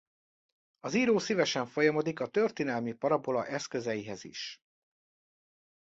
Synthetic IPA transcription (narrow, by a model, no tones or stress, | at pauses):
ɒziːɾoːsivɛʃɛɱfo̞jɒmo̞d̪ikɒt̪ørt̪inɛlmipɒɾɒbo̞lɒʔɛskø̞zɛjiɦɛzḭʃ